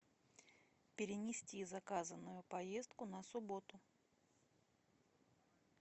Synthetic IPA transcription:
pʲɪɾʲɪnʲɪsʲtʲizɐkazənːʊjʊpɐjest̪̚kʊnəsʊbo̞t̪ʊ

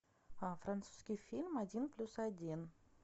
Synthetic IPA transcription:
fɾɐnt̪su̥skʲijfʲilʲmɐdʲinplʲusɐdʲin

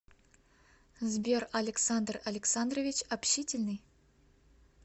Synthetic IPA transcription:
zbʲerɐlʲɪksand̪rɐlʲɪksand̪rovʲit͡ɕɐpɕitʲɪlʲnɨj

